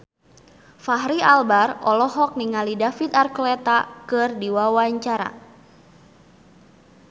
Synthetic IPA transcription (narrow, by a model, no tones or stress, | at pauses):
faɦɾialbarɔlɔɦɔk̚niŋalidafit̪arklɛt̪akɨrdiwawaɲt͡ʃaɾa̰